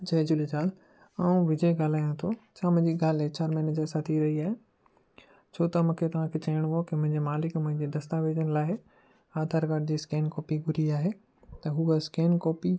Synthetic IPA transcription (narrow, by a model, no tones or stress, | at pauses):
d͡ʑɐd͡ʑʊlid͡ʑaːl | aːũʋɪd͡ʑəɡaːl̤aːjõt̪ʰot͡ɕʰaːmʊ̃ɲd͡ʑiɡaːlet͡ɕaːɾmɛːnəd͡ʑɐːsat̪ʰiɾɐɦiaːɦe | t͡ɕʰoːt̪ɐmʊ̃kʰet̪ɐʋ̤ãkʰet͡ɕɐɪɽ̃ɦokɪmʊ̃ɦɪ̃ɲd͡ʑemaːlɪkmʊ̃ɦɪ̃ɲd͡ʑid̪ɐst̪aːʋeːd͡ʑənɪ̆laːɪ | aːd̪ʱaːɾɡaɖ̚d͡ʑiːskeːnkɔːpiɡʱʊɾiaːɦe | t̪ɐɦuɐskeːnkɔːpi